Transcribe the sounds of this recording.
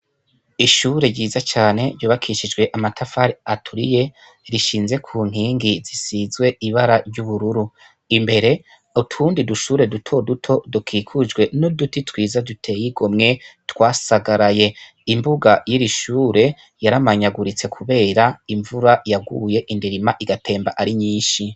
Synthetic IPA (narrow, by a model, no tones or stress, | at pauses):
iʃuːɾe̞ɾɟiːzat͡ʃaːne̞ɾɟuːβakʰiʃid͡ʒɡwe̞ʔamatʰafaɾiatʰuɾḭje̞ | ɾiʃiːnze̞kʰuːŋ̥iːŋɡizisizwe̞iβaɾaɾɟuβuɾuɾu | imbe̞ɾe̞ | utʰuːndiduʃuːɾe̞dutʰo̞dutʰo̞dukʰiːkʰud͡ʒɡwe̞nodutitwiːzadutʰe̞jiɡomŋe̞twaːsaɡaɾaje̞ | imbuɡajiɾiʃuːɾe̞ | jaɾamaɲaɡuɾit͡se̞kʰuβe̞ːɾaiɱvuɾajaɡṵje̞ʔindiɾimaʔiɡatʰe̞ːmbaʔaɾiɲiːʃi